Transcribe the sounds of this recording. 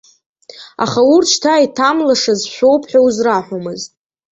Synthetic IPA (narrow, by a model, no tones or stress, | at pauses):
a̰χaurt͡ʃʰtʰaitʰamlaʂazʃʷᶣowpʰħawzraħʷomɨztʼ